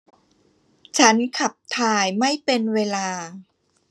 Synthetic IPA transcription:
t͡ɕʰa˦˥nkʰa˨˩p̚t̪ʰaː˧jma˥˩jpe˧nweː˧laː˧

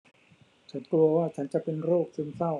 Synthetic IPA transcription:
t͡ɕʰa˦˥nkɾu˧ɐwaː˥˩t͡ɕʰa˦˥nt͡ɕa˨˩ʔpe˧nɾoː˥˩k̚si˧nsa˥˩w

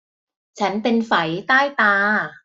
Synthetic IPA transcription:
t͡ɕʰa˦˥npe˧nfa˩˦jt̪aː˥˩jt̪aː˧

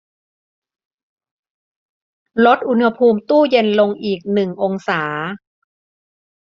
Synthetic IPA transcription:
lo˦˥t̪̚ʔu˧nha˧pʰuː˧mt̪uː˥˩je˧nlo˧ŋʔiː˨˩k̚nɯ˨˩ŋʔo˧ŋsaː˩˦

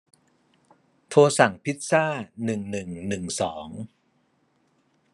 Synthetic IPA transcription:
t̪ʰoː˧sa˨˩˦ŋpʰi˦˥t̪̚saː˥˩nɯ˨˩ŋnɯ˨˩ŋnɯ˨˩ŋsɔː˩˦ŋ

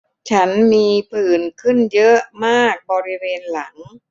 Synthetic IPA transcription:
t͡ɕʰa˦˥nmiː˧pʰɯː˨˩nkʰɯ˥˩njɤ˦˥ʔmaː˥˩k̚bɔː˧ɾi˦˥weː˧nla˩˦ŋ

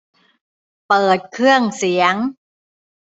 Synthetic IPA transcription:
pɤː˨˩t̪̚kʰɯ˥˩əŋsi˩˦əŋ

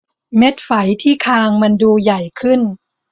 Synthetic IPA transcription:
me˦˥t̪̚fa˩˦jt̪ʰiː˥˩kʰaː˧ŋma˧nduː˧ja˨˩jkʰɯ˥˩n

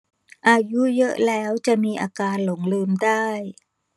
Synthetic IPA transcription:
ʔaː˧ju˦˥jɤ˦˥ʔlɛː˦˥wt͡ɕa˨˩miː˧ʔaː˧kaː˧nlo˩˦ŋlɯː˧mdaː˥˩j

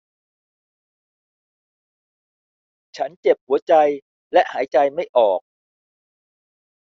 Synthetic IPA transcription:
t͡ɕʰa˦˥nt͡ɕe˨˩p̚hu˨˩˦ɐt͡ɕa˧j | lɛ˦˥ʔhaː˩˦jt͡ɕa˧jma˥˩jʔɔː˨˩k̚

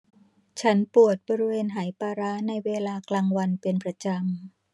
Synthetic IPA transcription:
t͡ɕʰa˦˥npu˨˩ət̪̚bɔː˧ɾi˦˥weː˧nɦaː˩˦jpaː˧ɾa˦˥na˧jweː˧laː˧klaː˧ŋwa˧npe˧npɾa˧t͡ɕa˧m

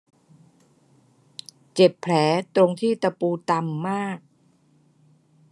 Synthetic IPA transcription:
t͡ɕe˨˩pʰːlɛː˩˦t̪ɾo˧ŋt̪ʰiː˥˩t̪a˧puː˧t̪a˧mːaː˥˩k̚

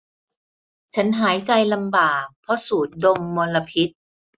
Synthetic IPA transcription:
t͡ɕʰa˦˥nɦaː˩˦jt͡ɕa˧jla˧mbaː˨˩k̚pʰɾɔ˦˥suː˨˩t̪̚do˧mːoː˧nla˧pʰi˦˥t̪̚

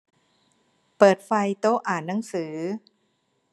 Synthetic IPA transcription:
pɤː˨˩t̪̚fa˧jt̪oː˦˥ʔaː˨˩nːa˩˦ŋsɯː˩˦

